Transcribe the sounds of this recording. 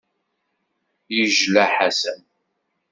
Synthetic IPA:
jəʒlæħasəm

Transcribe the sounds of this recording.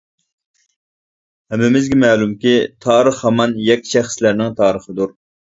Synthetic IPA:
hɛmːɪmɪzɡʲɛmɛlumkʲit̪ʰɑːɾəχhɑmɑnjɛkʲʰːi̥ʃæχslæɾnɪŋt̪ʰɑːɾəχəd̪uɾ

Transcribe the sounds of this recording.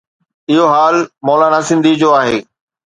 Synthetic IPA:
ɪɦoɦaːlmɔːlanasɪ̃nd̪ʱid͡ʑoːaːɦeː

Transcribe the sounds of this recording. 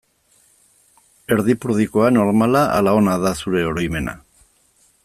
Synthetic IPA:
e̞ɾðipuɾðiko̞ano̞ɾmalaa̰lao̞naðasuɾe̞o̞ɾo̞jme̞na̰

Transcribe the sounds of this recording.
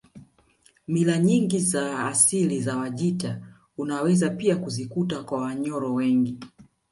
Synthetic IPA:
milaɲiŋɡizaːsilizawaʄita | unawɛzapiakuzikutakwawaɲɔɾɔwɛŋɡi

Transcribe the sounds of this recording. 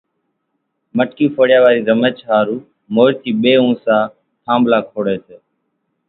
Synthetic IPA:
məʈkiːfʰoːɽɪjaːʋaːɾiːɾəmeːt͡ʃɦaːɾuː | moːɾt̪ʰiːɓeːũːsãː | ʈʰãːmblaːkʰoːɽeːseː

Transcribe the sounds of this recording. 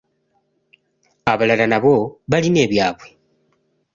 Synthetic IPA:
aβalalanaβo̞βaline̞ːβjaːβwe

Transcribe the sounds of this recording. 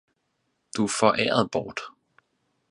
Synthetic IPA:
d̥ufɒʔɛ̰ːɐð̩ˠb̥ɒːd̥

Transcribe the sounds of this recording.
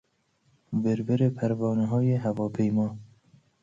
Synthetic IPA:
beɾbeɾepʰæɾvɑːnɛɦɑːjeɦævɑːpʰejmɑː

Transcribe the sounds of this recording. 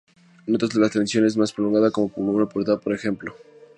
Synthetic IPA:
not̪ozðelat̪ensjo̞ne̞z̬maspɾolo̞ŋɡaðako̞mo̞polnapoɾt̪apo̞ɾexe̞mplo̞

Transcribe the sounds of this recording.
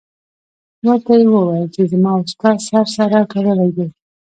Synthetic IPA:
laɾt̪ajewəwɑjəlt͡ʃezəmɑʊskɑɾsaɾsaɾakaɾəlajd̪ej

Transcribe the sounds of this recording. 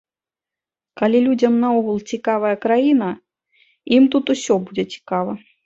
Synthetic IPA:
kalʲilʲud͡zʲɐmnɐɔɣulˠt͡sʲikavɐjɐkɾajinɐ | imt̪ut̪usʲɔbud͡zʲɛt͡sʲi̥kavɐ

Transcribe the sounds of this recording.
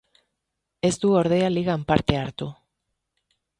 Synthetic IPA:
e̞st̪uo̞ɾð̞e̞aliɣampaɾt̪e̞aɾt̪u

